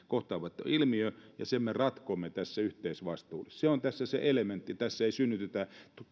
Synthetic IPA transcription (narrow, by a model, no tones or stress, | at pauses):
koht̪ɑːʋɑt̪ːḛilmiøjɑ̰semmerɑt̪komːet̪æsːæyht̪eisʋɑst̪uːlesseont̪æsːæsḛʔelement̪ːit̪æsːæeisynːyt̪et̪æt̪